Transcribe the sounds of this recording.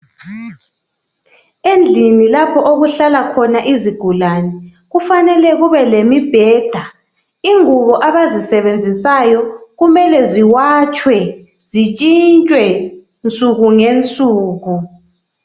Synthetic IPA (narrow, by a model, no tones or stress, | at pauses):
end͡ɮʱinilapʰɔʔoɣuɬalakʰɔnaʔiziɡ̥ʱulanɛ | ɣufanɛlɛɣuβɛlemib̥ʱɛːd̥ʱa | iŋuβɔʔaβazisɛβend͡zʱisajɔɣumɛlɛziwaːt͡ʃʼwɛ | z̥it͡ʃʼint͡ʃʼwɛ | nt͡sʼuɣuŋent͡sʼuːɣu